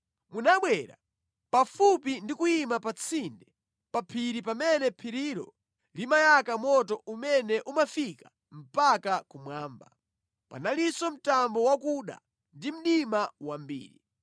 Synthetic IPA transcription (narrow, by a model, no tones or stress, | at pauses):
munaɓwɛɾa̰ | pafupindikujimapat͡sʰindɛ | papʰiɾipamɛnɛpʰiɾiɾɔ̰ | limajakamɔtɔʔumɛnɛʔumafikḁ | m̩pakakumwaːmba̰ | pa̰nalisɔm̩tambɔwakuɗa̰ | ndim̩ɗimawambḭːɾḭ